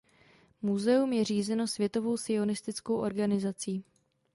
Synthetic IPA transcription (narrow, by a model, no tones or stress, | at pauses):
muzɛumjɛriːzɛno̞svjɛt̪o̞vo̞wsɪo̞nɪst̪ɪt͡sko̞wʔo̞̰ɾɡanɪzat͡siː